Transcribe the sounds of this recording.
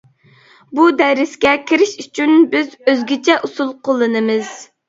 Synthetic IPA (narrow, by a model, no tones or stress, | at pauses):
bud̪ɛɾɪskʲɛkʲʰiɾɪʃyt͡ʃʰynbɪzøzɡʲɪt͡ʃʰɛʔusulˠqʰolˠːɨnɨmɨz̥